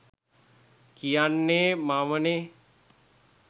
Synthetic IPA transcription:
kijanːeːmaʋəne

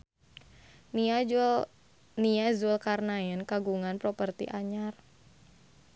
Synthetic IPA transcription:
niazʊlkarnaɪnkaɡuŋanpɾopərt̪ḭʔaɲar

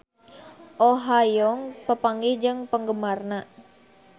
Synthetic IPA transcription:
ʔoɦajɔŋpəpaŋɡid͡ʒəŋpəŋɡəmarna

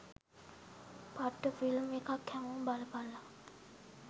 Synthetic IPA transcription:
paʈːəfilmekʰakʰːɛmobalpalːa

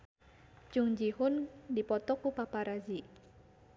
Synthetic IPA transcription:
d͡ʒuŋd͡ʒihʊndipɔt̪ɔkupapaɾazi

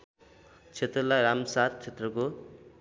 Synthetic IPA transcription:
t͡sʰet̪rʌlaɾamsat̪̚t͡sʰet̪rʌko

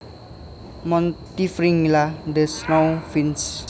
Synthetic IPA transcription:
mʌnt̪ifriŋlad̪esnawfʰins

